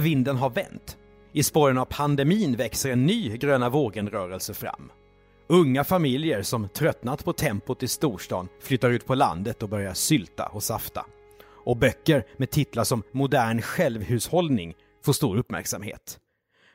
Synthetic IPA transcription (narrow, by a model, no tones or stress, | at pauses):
vɪnd̪ənɦaɾvɛ̰nt̪ | ɪspɔɾənavpʰand̪ɛmiːnvɛksəɾɛnːyːɡɾøːnavoːɡənɾœːɾəlsəfɾa̰mː | ɵŋːafamɪljəɾsɔmt̪ʰɾœt̪nat̪pʰɔt̪ʰɛmpʊt̪ʰɪlst̪uːʂʈɑ̰ːnflʏt̪ːaɾʉ̟ːt̪̚pʰɔla̰nd̪ət̪ɔbœɾjaʂʏlt̪a̰ʔɔsaft̪a̰ | ɔbœkːəɾmed̪̚t̪ʰɪt̪laʂɔmːʊd̪æːɳɧɛlvhʉ̟ːshɔld̪nɪŋ | foːʂt̪uːɾɵpːmæ̰ɾksamɦḛːt̪